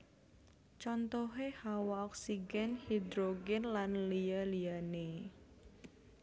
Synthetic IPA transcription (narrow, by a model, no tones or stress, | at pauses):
t͡ʃɔnt̪ɔɦehawaɔksiɡɛnhid̪ɾoɡɛnlanlialiane